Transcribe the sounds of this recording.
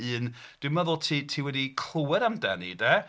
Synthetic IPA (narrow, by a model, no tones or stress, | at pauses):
ɨːn | d̥wɪməðʊlˠtʰiːtʰiːwɛdikʰl̥ˠəwɛɾamdɛnḭdɛ